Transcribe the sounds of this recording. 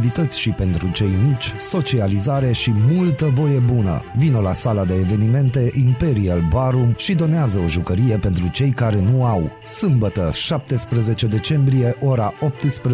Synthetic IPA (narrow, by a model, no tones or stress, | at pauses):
vit̪ət̪sʲʃipe̞nt̪ɾut͡ʃe̞jmit͡ʃʲso̞t͡ʃializaɾe̞ʃimult̪əvo̞je̞bunə̰vino̞lasalad̪e̞ːve̞nime̞nt̪e̞ʔimpe̞ɾialbaɾumʃid̪o̞neazəo̞ʒukəɾije̞pe̞nt̪ɾut͡ʃe̞jkaɾe̞nuaw | sɨmbət̪əʃap̚t̪e̞spɾəze̞t͡ʃe̞d̪e̞t͡ʃe̞mbɾije̞ʔo̞ɾaʔo̞p̚t̪ɨspɾ